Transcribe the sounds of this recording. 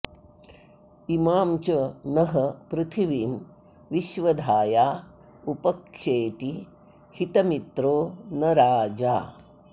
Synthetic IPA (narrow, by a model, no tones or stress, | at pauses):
imaːmt͡ʃɐnɐɦɐpɾɪt̪ʰiʋiːm | ʋiʃʋɐd̪ʱaːjaː | upɐkʂeːt̪i | hit̪ɐmit̪ɾoːnɐɾaːd͡ʒaː